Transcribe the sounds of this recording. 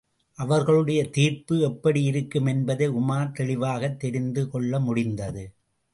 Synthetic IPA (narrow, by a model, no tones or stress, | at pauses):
ʔɐʋɐɾɣɐɭɯɽɐjɐt̪iːɾpɯɛpːɐɽiɪɾɯkːɯmɛnbɐðɐɪʊmaːɾt̪ɛɭɪʋaːɣɐt̪ːɛɾɪnd̪ɯkɔɭːɐmʊɽɪnd̪ɐðɯ